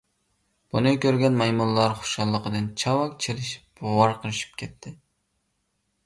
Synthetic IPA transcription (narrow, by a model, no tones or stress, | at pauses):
b̥unɨkʲøɾɡʲɛnmɑjmunlˠɑɾχʊ̥ʃɑlˠːəqəd̪ɨnt͡ʃʰɑwɑk̚ʲt͡ʃʰelɪʃi̥p̚ʊwɑɾqʰəlˠɨʃi̥p̚kʲʰɛt̪ʰːɪ